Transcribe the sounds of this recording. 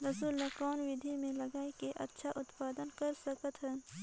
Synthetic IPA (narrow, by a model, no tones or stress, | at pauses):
ɾɐsuːlːakɔːnʋɪd̪ʱimẽlɐɡaːikeʔɐ̰tːʃʰaʔʊt̪paːd̪ənkɐɾsɐkət̪ɦən